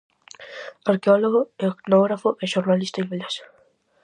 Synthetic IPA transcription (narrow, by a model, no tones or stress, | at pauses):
aɾkeoloɣoeknoɣɾafoʔeʃoɾnalist̪aimbeles